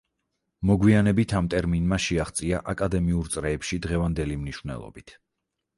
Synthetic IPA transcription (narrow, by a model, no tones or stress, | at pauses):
mɔɡwianɛbit̪ʰamt̪ʼɛɾminmaʃiaχt̪sʼiaʔakʼad̪ɛmiuɾt̪sʼɾɛːpʃid̪ʁɛvand̪ɛlimniʃvnɛ̰lˠɔ̰bit̪ʰ